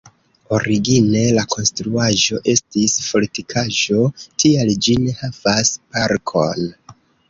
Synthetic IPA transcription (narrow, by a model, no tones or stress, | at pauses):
o̞ɾiɡine̞lakʰo̞nstɾuaʒo̞ʔe̞stispo̞litikʰaʒo̞tʰiald͡ʒine̞havaspaɾkʰo̞̰n